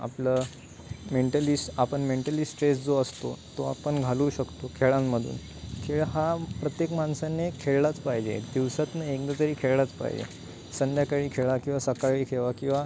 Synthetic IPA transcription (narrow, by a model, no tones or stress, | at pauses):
a̰pləː | meɳʈəlisʈapəɳmeɳʈəlisʈɾesd͡zoəst̪ot̪oa̰pəɳɡʱaluːɕəkt̪okʰeɭãmːəd̪ʱṵːn | kʰeɭɦapɾət̪jekmansanːekʰeɭlat͡spaɦid͡ʑḛd̪iʋsat̪naekd̪ət̪əɾiːkʰeɭlat͡spa̰ɦḭd͡ʑḛ | sənd̪ʱjakaɭiːkʰeɭakĩw̃ʋasəkaɭiːkʰeʋakĩw̃ʋa